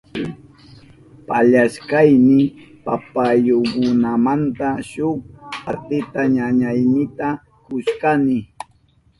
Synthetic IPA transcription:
paʎaʃkajnɪ | papajoɢʊnamant̪aʃʊkat̪ɪt̪aɲaɲajnɪt̪a | kʊʃkanɪ

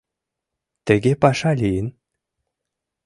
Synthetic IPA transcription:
t̪ɘ̆ɡʲepɑʃɑlʲijɘn

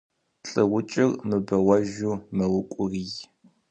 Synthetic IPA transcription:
ɬʼɨʁʷʊt͡ʃʼɪrmɨbɐwɐʒumɨwʊkʷʼʊriːj

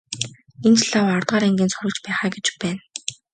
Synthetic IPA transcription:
ent̪ɮaːwɔrt̪ʁaːɾæŋɡʲiːnsʊɾə̆kt͡ɕpæːχæːɡet͡ɕpæːn

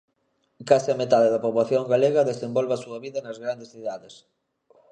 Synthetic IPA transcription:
kasɪamet̪aðeðɐpoβlaθjoŋɡaleɣɐðesembolβasuɐβiðɐnɐzɣɾand̪esθiðaðes

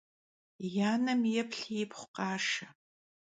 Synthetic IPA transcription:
jaːnɐmjɛpʰɬijɛpχʷʊ̥qɑːʂɐ

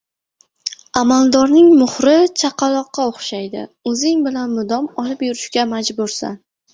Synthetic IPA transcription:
amalˠd̪ɒɾnɪŋmʊhɾɪt͡ʃʰaqʰɑlˠɒqːɑoχʃajd̪ɪ̰ɵzɪŋbɪlanmʊd̪ɒmɒlˠɪpjʊɾɪʃkʲamad͡ʒbʊɾsa̰n

